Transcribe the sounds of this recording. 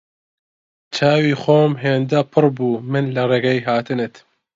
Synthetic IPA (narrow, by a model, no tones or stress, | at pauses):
t͡ʃʰaːwiːxoːmɦeːnd̪ɐpʰɨɾbuːmɨnlɐreːɡɐjɦaːt̪ʰɨnɨt̪